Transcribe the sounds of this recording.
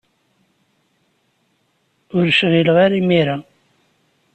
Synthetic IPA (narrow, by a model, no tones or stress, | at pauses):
ʊɾʃʁiləʁaɾimiɾa